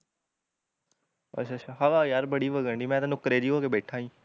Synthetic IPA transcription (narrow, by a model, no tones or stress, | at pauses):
ə̰ʃʰaːt͡ʃʰaːɦaʋaːjaːɾbəɽiːʋəɡəɳɖiːmɛ̃ːt̪ãnʊkɾed͡ʒiːɦoːkebɛːʈʰaːĩː